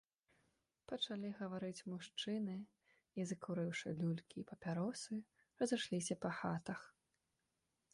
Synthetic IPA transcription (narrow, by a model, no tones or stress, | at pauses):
pɐt͡ʂalʲiɣɐvaɾɨt͡sʲmuʂt͡ʂɨnɨ | izɨkuɾɨwʂɨlʲulʲkʲiːpɐpʲaɾɔsɨ | ɾɐzɨʂlʲisʲɐpɐxat̪ɐx